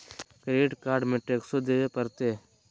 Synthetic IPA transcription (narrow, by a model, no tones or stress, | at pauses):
kɾeːʈkaːɾɖmẽːʈeːksoːd̪eːʋeːpəɾt̪eː